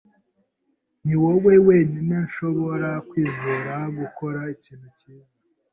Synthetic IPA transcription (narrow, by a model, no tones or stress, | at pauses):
niwowe̞we̞ːninenʃo̞βo̞ɾakwiːzuɾaɡuko̞ɾaiciːn̥huciːza